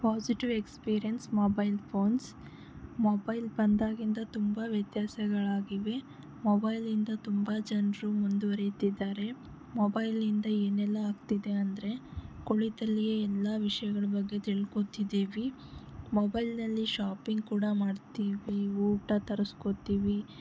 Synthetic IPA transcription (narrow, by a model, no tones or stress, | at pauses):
paːsiʈiʋekspiːɾijɐnsmoːbɐjlpʰo̞ːns | moːbɐjlbɐnd̪aːɡind̪ɐt̪umbɐʋjɐt̪jaːsɐɡɐɭaːɡiʋe̞ | mobɐjlind̪ɐt̪umbɐd͡ʒɐnɾumund̪uʋɐɾet̪id̪ːaːɾe̞ | mobɐjlind̪ɐeːnɛlːɐaːɡt̪id̪e̞ɐnd̪ɐɾe̞koɭit̪ɐlːijeɛlːaʋiʂɐjɐɡɐɭɐbɐɡːe̞t̪iɭkot̪id̪iːʋi | mɔːbɐjlnɐlːiʃaːpiŋɡ̚kuːɽɐmaːɖt̪iːʋiuːʈɐt̪ɐɾuskot̪iːʋi